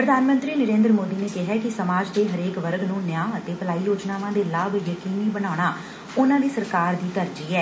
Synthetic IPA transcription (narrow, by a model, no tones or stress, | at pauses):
pɾəd̪ʱaːnmə̃nt̪ɾiːnəɾẽːnd̪ɾmoːd̪iːneːkɪɦɛːkɪsəmaːd͡ʒd̪eːɦəɾeːkʋəɾɡnũːnjaːət̪eːpəlaːiːjoːd͡ʒnaːʋãːd̪eːlaːbjəkiːmiːbəɽaːʊɽ̃aː | ʊnãːd̪iːsəɾkaːɾd̪iːt̪əɾd͡ʒiːɛː